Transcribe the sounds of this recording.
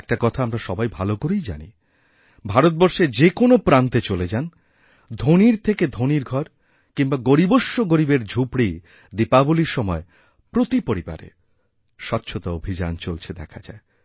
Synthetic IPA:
ɛk̚ʈakɔt̪ʰaamɾaʃɔbajbʱalokoɾijd͡ʑa̰nḭ | bʱaɾot̪̚bɔɾʃed͡ʑekonopɾant̪et͡ɕoled͡ʑan | d̪ʱoniɾt̪ʰeked̪ʱoniɾɡʱɔɾ | kiŋbaɡoɾiboʃːoɡoɾibeɾd͡ʑʱupɽi | d̪ipaboliɾʃɔmɔe | pɾot̪ipoɾiba̰ɾḛ | ʃɔtːɕʰot̪aobʱid͡ʑa̰nt͡ɕolt͡ɕʰed̪ɛkʰad͡ʑa̰e

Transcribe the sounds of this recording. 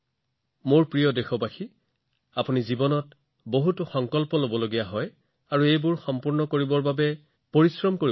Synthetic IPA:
moɹpɹijɔdexɔpaxi | apunizibɔnɔt | boɦutʊxɔŋkɔlpɔlobɔloɡijaɦɔj | aɹuejbʊɹxɔmpuɹnɔkoɹibɔɹbabɛ | poɹisɹɔmkoɹi

